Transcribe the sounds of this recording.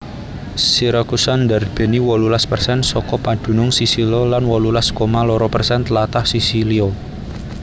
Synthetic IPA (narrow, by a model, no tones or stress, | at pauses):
siɾakusand̪arb̥e̤niwɔlulaspərsɛnsɔkɔpad̪̥ṳnʊŋsisilolanwɔlulaskomalɔɾɔpərsɛnt̪lat̪ahsisilio